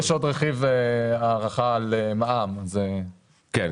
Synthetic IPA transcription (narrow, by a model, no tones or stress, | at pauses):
ʃod̪ʁeχiveaːʁaχalemaʔamze | ken